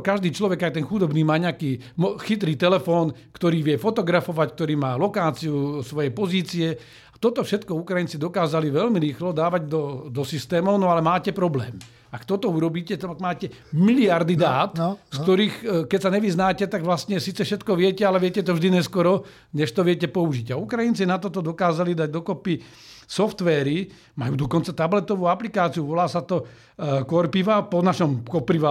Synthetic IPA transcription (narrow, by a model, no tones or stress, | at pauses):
kaʒd̪iːt͡ʃlɔʋɛɡaɪt̪ɛnxud̪ɔbniːmaːɲɛakiː | mɔxit̪ɾiːt̪ɛlɛfɔːnkt̪ɔɾiːʋjɛfɔt̪ɔɡɾafɔʋack̚t̪ɔɾiːmaːlɔkaːt͡siusʋɔjɛjpɔziːt͡siɛ | at̪ɔt̪ɔfʃɛt̪kɔukɾajint͡sid̪ɔkaːzaliʋɛlmiɾiːxlɔd̪aːʋaɟd̪ɔd̪ɔsist̪ɛːmɔʊnɔalɛmaːcɛpɾɔblɛ̰ːm | akt̪ɔt̪ɔuɾɔbiːcɛt̪ɛaɡmaːcɛ | miliaɾd̪id̪aːt̪st̪ɔɾiːxkɛcsaɲɛʋiznaːcɛt̪aɡʋlast̪ɲɛsiːt͡sɛfʃɛt̪kɔʋɪɛcɛalɛʋɪɛcɛt̪ɔvʒd̪iɲɛskɔɾɔ | ɲɛʃt̪ɔʋɪɛcɛpɔuʒiɟaukɾajint͡sinat̪ɔt̪ɔd̪ɔkaːzalid̪aɟd̪ɔkɔpi | sɔft̪ʋɛːɾi | ma̰juːd̪ɔkɔnt͡sat̪ablɛt̪ɔʋuːaplikaːt͡siuʋɔlaːsat̪ɔ | kɔɾpiʋapɔnaʃɔmkɔpɾiʋa